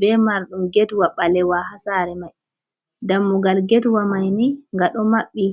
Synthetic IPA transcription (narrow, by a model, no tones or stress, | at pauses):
bɛmaɾɗumɡɛtwaɓalɛwahasaːɾɛmaj | damːuɡalɡɛtwamajniŋɡaɗɔmaɓːi